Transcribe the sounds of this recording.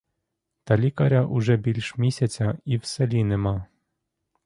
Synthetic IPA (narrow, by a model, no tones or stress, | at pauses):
t̪ɐlʲikɐɾʲaʔuʐɛbʲilʲʃmʲisʲat͡sʲɐiwsɛlʲinɪmɑ